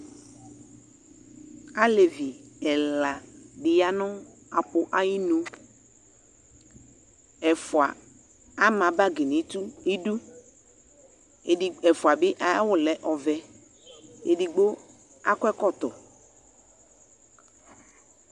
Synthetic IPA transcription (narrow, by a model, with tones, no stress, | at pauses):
a˦le˨vi˨ɛ˨la˨bɪ˨ja˦nʊ̃˦ | a˨pʊ˨ʔa˦ji˦nũ˦ | ɛ˨fʊ˨a˨ | a˦mã˨ba˦ɡi˨nĩ˨˦t̪u˦e˦du˦˨ | ɛ˨fʊ˨a˨bɪ˦ʔa˨˦wʊ˦lɛ˨ʔɔ˨vɛ˨ | ḛ˨di˨ɡ͡bo˦ | a˦kʷɛ˦kɔ˦˨t̪ɔ̰˨